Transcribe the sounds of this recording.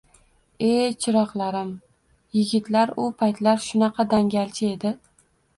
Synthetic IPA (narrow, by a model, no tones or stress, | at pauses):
e̞t͡ʃʰɪɾɒqlˠaɾɪm | jɪɡʲɪt̪laɾʊpʰajt̪laɾʃʊnɑqʰɑd̪aŋɡʲalt͡ʃʰɪe̞d̪ɪ